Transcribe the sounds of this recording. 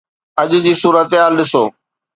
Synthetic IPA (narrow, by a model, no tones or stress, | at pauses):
ɐʄd͡ʑiːsuːɾət̪eɦaːlɗɪsoː